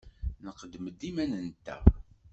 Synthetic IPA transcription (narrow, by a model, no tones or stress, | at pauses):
nəqːəd̪ːməd̪ːimænənt̪æ̰